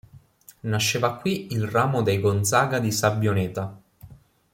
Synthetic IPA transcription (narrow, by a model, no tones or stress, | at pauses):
naʃːeːvakːwiilraːmod̪ejɡont̪saːɡad̪isabːjoneːt̪a